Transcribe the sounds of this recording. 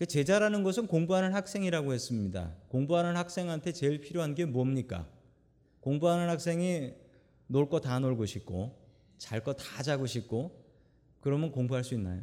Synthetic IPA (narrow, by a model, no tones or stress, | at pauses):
ket͡ɕe̞d͡ʑaɾanɯnɡʌsʰɯnkoŋbuɦanɯnhak̚s͈e̞ŋiɾaɡohe̞s͈ɯmɲida̰koŋbuɦanɯnhak̚s͈e̞ŋɦantʰe̞t͡ɕe̞ɭpʰiɾjoɦanɡemuʌmɲik͈a̰ | koŋbuɦanɯnhak̚s͈e̞ŋi | noɭk͈ʌtanoɭɡoɕʰik̚k͈o | t͡ɕaɭk͈ʌtad͡ʑaɡuɕʰip̚k͈o | kɯɾʌmjʌnkoŋbuɦaɭs͈uinːa̰jo